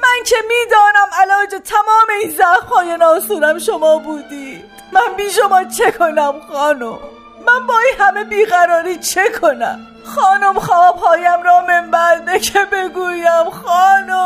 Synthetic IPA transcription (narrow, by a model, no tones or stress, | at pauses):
mæncʰe̞miːd̪ɒːnæmælɒːd͡ʒet̪ʰæmɒːme̞iːnzæfhɒːjenɒːsuːɾæmʃo̞mɒːbuːd̪iːd̪̥mænbiːʃ̬omɒːt͡ʃʰe̞kʰo̞næmxɒːnomː | ænbɒːinɦæme̞biːɣæɾɒːɾiːt͡ʃʰe̞kʰo̞næ̰m | xɒːnomxɒːbɦɒːjæmɾɒːmembæɾd̪ekʰebe̞ɡuːjæmxɒːnom